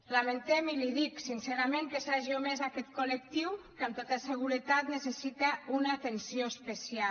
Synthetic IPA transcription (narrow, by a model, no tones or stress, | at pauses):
lament̪ɛmiliðiksinseɾameŋkesaʒiomezakɛt̪kolek̚t̪iwkamt̪ot̪aseɣ̞uɾət̪at̪nesesit̪aunaːt̪ensioespesia